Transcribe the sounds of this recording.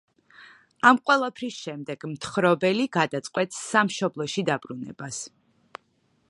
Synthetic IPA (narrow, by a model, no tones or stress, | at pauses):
amqʼwɛlˠapʰɾisʃɛmd̪ɛɡ̥mt̪ʰχɾɔbɛliɡad̪at̪sʼqʼwɛt̪sːamʃɔblˠɔʃid̪abɾunɛ̰b̥as